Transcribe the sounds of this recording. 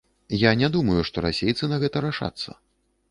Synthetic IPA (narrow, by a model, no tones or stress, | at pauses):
janʲɛd̪umɐjuʂt̪ɔɾa̰sʲejt̪sɨnɐɣɛt̪ɐɾaʂa̰t̪sːɐ̰